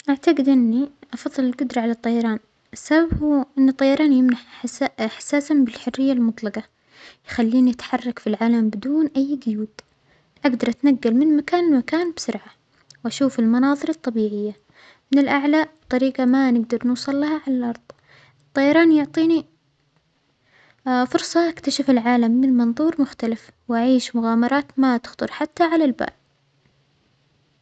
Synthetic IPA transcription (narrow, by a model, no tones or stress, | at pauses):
ʔaʕt̪aɡɪd̪ʔɪnːiʔɑfɑðˤːɨlɪlɡʊd̪ɾˤɑʕalat̪ˤːɑjɑɾˤɑːn | ʔɪsːababhuːʔɪnːɨt̪ˤːɑjɑɾˤɑːnjɪmnaħħsaːsanbɪlħʊrːɪjːalmʊt̪ˤlɑqɑ | jxalːiːniʔat̪ħɑrˤːɑkfilʕaːlambɪd̪uːnʔajːɡʊjuːd̪ | ʔaɡd̪ɑɾˤʔat̪naɡːalmɪnmakaːnɪlmakaːnbsʊɾʕa | wʔaʃuːfɪlmɑnɑːðˤɨɾˤɑt̪ˤːɑbiːʕɪjːa | mɪnɪlʔaʕlabt̪ˤɑɾiːqamanɪɡd̪ɑɾˤnuːsˤɑlːahaʕalalʔɑɾˤðˤ | ʔɨt̪ˤːɑjɑɾˤɑːnjʊʕt̪ˤiːni | fʊɾsˤɑʔakt̪aʃafɪlʕaːlamːnlmɨnðˤuːɾmʊxt̪alɪf | wʔaʕiːʃmʊɣaːmɑɾˤɑːt̪mat̪ɪ̥xt̪ˤʊɾˤħat̪ːaʕalalba̰ːl